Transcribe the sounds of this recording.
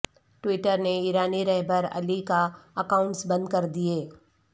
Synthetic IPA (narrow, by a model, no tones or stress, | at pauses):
ʈwɪʈəɾneiːɾaːniɾɛɦbəɾɐ̰likaɐkaːʊ̃ɳʈsbɐ̃nd̪̚kɐɾd̪ieː